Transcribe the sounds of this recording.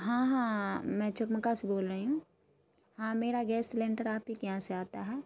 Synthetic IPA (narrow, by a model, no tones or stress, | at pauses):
ɦãːɦãːmɛ̃t͡ʃɐkməkasboːlɾəɦiɦũ | hãːmeːɾaɡɛːsʈlɛ̃ːɳʈəɾaːpɦikɐɦãseaːt̪aɦɛː